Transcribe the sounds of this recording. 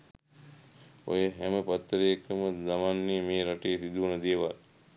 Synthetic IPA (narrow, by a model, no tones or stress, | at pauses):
o̰jeɦæməpat̪ːɾejkəməzamanːejmeːɾaʈejsid̪uunəd̪eːʋal